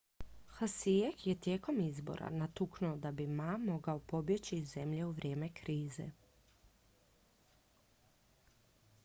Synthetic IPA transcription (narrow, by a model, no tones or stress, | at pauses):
xasiekjɛt̪jeːko̞mizbo̰ɾa̰nat̪uknuod̪abimamoɡaopo̞bjet͡ɕizemʎeuʋɾʲʔeːmekɾiːzḛ